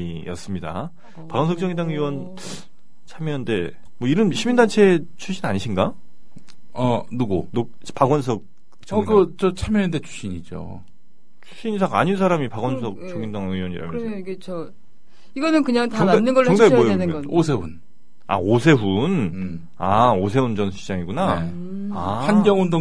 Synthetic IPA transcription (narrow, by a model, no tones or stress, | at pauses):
ijʌ̰s͈ɯmɲida̰ | paɡʌns̬ʰʌk̚t͡ɕ͈ʌŋindaŋiwʌn | t͡ɕʰamjʌnde̞ | mwʌiɾʌnɕʰimindant͡ɕʰe̞t͡ɕʰuɕʰinaɲiɕʰinɡa | ʌnuɡono | paɡwʌns̬ʰʌk̚ | t͡ɕ͈ʌɡt͡ɕʌt͡ɕʰamjʌndet͡ɕʰu̥ɕ͈ʰiɲid͡ʑo̰ | t͡ɕʰu̥ɕ͈ʰiɲisʰaɡa̰ɲins̬ʰaɾamipaɡwʌnsʰʌk̚t͡ɕoŋindaŋɯjwʌɲiɾa̰mjʌkɯt͡ɕʰo | iɡʌnɯnkɯɲaŋtaŋanːɯnɡʌʌŋdaɡewʌjɯosʰe̞un | a̰osʰe̞ɸun | aos̬ʰe̞und͡ʑʌnɕid͡ʑ͈aŋiɡuna | ahanɡjʌŋondo